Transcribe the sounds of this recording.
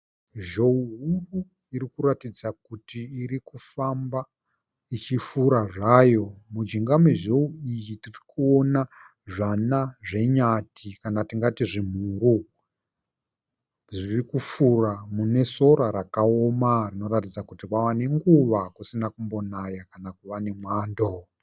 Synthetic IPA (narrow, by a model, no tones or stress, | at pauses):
ʒouɦuru | iɾikuɾatid͡zakutiːɾikufamba | it͡ʃifuɾaʐaːjo̞mud͡ʒiŋɡamwe̞ʒouijitirikuona | ʐanaʐe̞ɲatikanatiŋɡatiʐim̤uːɾu | ʐirikufuramune̞so̞ɾaɾakaomarino̞ɾatid͡zakutikwawane̞ŋɡuʋakusinakumbo̞najakanakuʋane̞mwaːndo